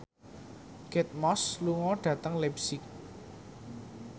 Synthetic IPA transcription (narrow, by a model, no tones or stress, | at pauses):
ɡ̥ɛt̪̚mɔsluŋɔɖ̥ä̤t̪əŋlɛpsɪk̚